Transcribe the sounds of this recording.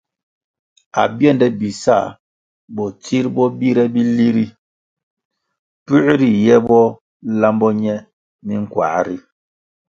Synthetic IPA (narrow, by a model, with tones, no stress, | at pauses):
a̰˨bjɛ˦˨ndɛ˦bi˨sa̰˦˨ | bɔ˨ti˦ɾbɔ˦bi˦ɾɛ˦bi˦li˦ɾi˦ | pʉ˦ʔɾi˨jɛ˦bɔ˦ | la˦mbɔ˦ɲɛ˦ | ni˦ŋ̩˨kwa̰˨ɾi˦